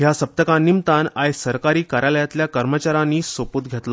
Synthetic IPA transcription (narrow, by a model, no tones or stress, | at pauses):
ɦjasəp̚t̪əkãnːimt̪anajsəɾkaɾiːkaɾaləjat̪ljakəɾmət͡ɕaɾanːiːsopuːt̪̚ɡʱet̪la